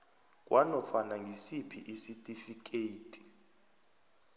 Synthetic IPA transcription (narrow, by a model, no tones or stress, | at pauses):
k̬ʼwʔanɔfanaŋɡʱisipʰiʔisitʼifik̬ʼeːtʼi̥